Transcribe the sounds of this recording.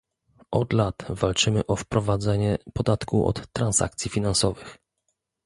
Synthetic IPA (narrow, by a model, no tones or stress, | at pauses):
ʔɔd̪lat̪valt͡ʂɘmɘʔɔfpɾɔvad̪zɛɲɛpɔd̪at̪kuʔɔ̰t̪ːɾansa̰kt̪sʲjifʲinansɔvɘx